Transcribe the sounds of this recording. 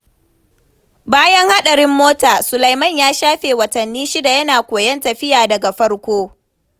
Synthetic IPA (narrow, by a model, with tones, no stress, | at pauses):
baː˦jɐ˦ŋha˦ɗɐ˨ɽɪ˦mːoː˦taː˨sʊ˨lɐ˨jmɐ˦˨ɲjaː˦ʃaː˦ɸeː˨wɐ˨tɐ˨nːiː˦ʃi˦da˨jɐ˦naː˨kʷoː˨jɐ˦ntɐ˨ɸɪ˦jaː˨dɐ˨ɡa˨ɸɐ˦ɽkʷoː˦